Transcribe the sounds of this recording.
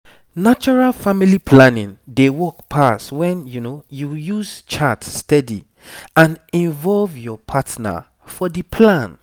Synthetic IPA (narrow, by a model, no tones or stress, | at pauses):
nat͡ʃɔɹalfamilipʰlãnḭ̃ndewɔkpʰastwɛ̃njunojujuzt͡ʃatstɛdḭ | ãnĩnvɔlvjɔpʰatna̰ | fɔdipʰlãn